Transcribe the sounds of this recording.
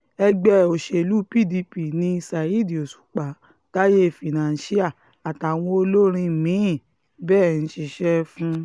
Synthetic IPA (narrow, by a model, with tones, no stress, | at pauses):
ɛ˧ɡ͡bɛ˦o˨ʃe˧˨lu˦pi˦˨di˧pi˨nĩ˧sa˨i˦di˨o˨su̥˨˦k͡pa˨˦ | ta˦je˦˨fi˨nã˨n˨˦si˦a˦˨ | a˨ta˨w̃ɔ̃˧o˧lo˦ɾ̃ĩ˧mĩ˨˦˨ | bɛː˦˨ñ̩˨˦ʃi˧ʃɛ˦fũ˦